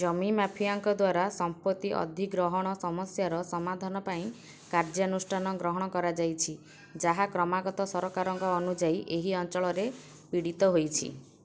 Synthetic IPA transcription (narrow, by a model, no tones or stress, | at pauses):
d͡ʒɔmimapʰiaŋkɔd̪waɾasɔmpɔt̪iʔɔ̰d̪ʱiɡɾɔɦɔɽ̃ɔsɔmɔsjaɾɔsɔmad̪ʱanɔpaĩ | kaɾd͡ʒɔnusʈʰanɔɡɾɔɦɔɽ̃ɔkɔɾad͡ʒajt͡ʃʰi | d͡ʒaɦakɾɔmaɡɔt̪ɔsɔɾɔkaɾɔŋkɔːnud͡ʒajiʔeɦiɔnt͡ʃɔɭɔɾe | piɽit̪ɔɦojt͡ʃʰḭ